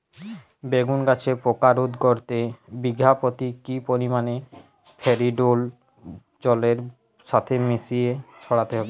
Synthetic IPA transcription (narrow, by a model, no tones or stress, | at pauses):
beɡunɡat͡ɕʰepokaɾod̪koɾt̪ebiɡʱːapot̪ikipoɾimane | pʰeɾiɖol | d͡ʑɔleɾ | ʃat̪ʰemisiet͡ɕʰɔɽat̪eɦɔbe